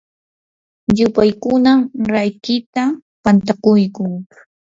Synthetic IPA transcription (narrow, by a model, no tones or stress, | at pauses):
ʎʊpajkʊnamɾajkɪt̪apant̪akʊjkʊŋ